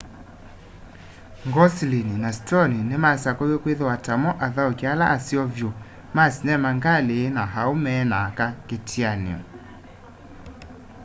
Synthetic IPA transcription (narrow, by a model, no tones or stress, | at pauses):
ŋɡɔsilininastɔninemasakɔjekweðowatamɔʔaðaokealaʔasiɔvjo | masinɛmaŋɡaleːnaɦaomɛːnakaketʰianḛɔ̰